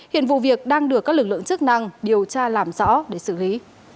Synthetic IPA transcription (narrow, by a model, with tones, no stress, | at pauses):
hḭ˧˨ənvṵ˧˨vi˨˩ək̚ɗaː˧ŋɗɨ˨˩ək̚ːlɨ˨˩k̚lɨ̰˧˨ə˨ŋt͡ɕɨ˦˥k̚na˧ŋɗi˨˩əwt͡ɕaː˧laː˨˩mzɔ̰˧˥ɗe˧˩sɨ˧˩li˨˦